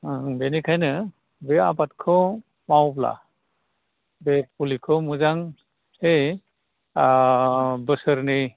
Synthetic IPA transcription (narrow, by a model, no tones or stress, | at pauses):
benikʰajnɯ | bea̰bat̚kʰɔ | mawpla̰ | bet̚pulikʰɔmɯzaŋ | he | bɯsəɾni